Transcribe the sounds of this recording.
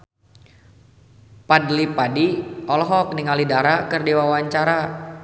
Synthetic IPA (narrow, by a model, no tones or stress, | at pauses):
padlipadiɔlɔɦɔkniŋalidaɾakɨrdiwawaɲt͡ʃaɾa